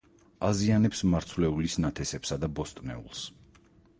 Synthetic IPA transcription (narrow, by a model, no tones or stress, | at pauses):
azianɛpsmaɾt̪sʰvlɛulisnat̪ʰɛsɛpsad̪abɔst̪ʼnɛ̰ṵlˠs